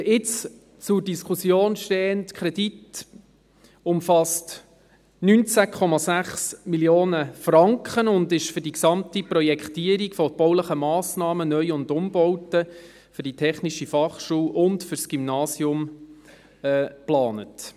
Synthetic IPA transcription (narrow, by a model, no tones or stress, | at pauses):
ʔɪt͡s | t͡sʊɾdiskʰusjoːnʃteːəntkʰɾɛd̥it | ʊmfɑst | nynt͡sækʰɔmɑsæχsmiljoːnəfrɑŋkχənʊndɪʃfʏɾdiksɑmtiprɔjɛkχtiːəɾikfɔb̥ɔwləχəmɑːsnɑːmənœjʊndʊmbɔwtə | fʏɾd̥itʰɛχniʃifɑχʃuːwʔʊntfʏɾsɡ̥ymnɑːsjʊm | ɛplɑːnət